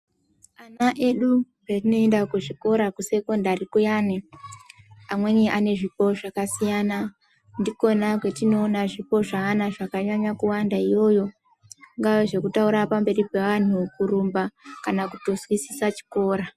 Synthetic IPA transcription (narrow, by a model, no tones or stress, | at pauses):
anaʔe̞ɗu | petino̞endakuʐiko̞ɾakuse̞ko̞ndarikujane | amwe̞niʔane̞ʐipo̞ʐakasijana | ndiko̞nakwe̞tino̞ːnaʐipo̞ʐaːnaʐakaɲaɲakuwandaijo̞jo̞ | ŋɡaweʐe̞kutauɾapambe̞ripe̞ʋan̤ukuɾumbakanakuto̞zwisi̥sat͡ʃi̥ko̞ːɾa